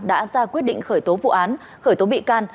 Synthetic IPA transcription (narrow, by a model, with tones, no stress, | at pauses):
ɗa̰ː˧˥zaː˧kwi˦˥ət̚ɗḭ˧˨ŋ̟xəː˧˩jt̪o˨˦vṵ˧˨ʔaː˨˦n | xəː˧˩jt̪o˨˦ɓḭ˧˨kaː˧n